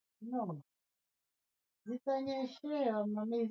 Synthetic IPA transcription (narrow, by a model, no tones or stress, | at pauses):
nɔ | zitaɲɛʃɛwamami